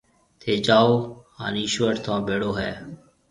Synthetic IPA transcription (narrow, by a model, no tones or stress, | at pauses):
t̪ʰeːd͡ʒaːoːha̰ːniːʃʋəʈt̪ʰãːbeːɽoːɦɛ̰ː